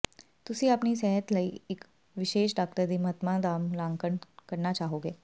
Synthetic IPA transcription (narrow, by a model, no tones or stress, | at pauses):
t̪ʊsĩɐpnisɛɦət̪ləiɪk | ʋɪʃeːʃɖaːk̚t̪əɾd̪imɐɦət̪mad̪aːmlãːŋɡkəɳkɐɾnat͡ʃaːɦoːɡeː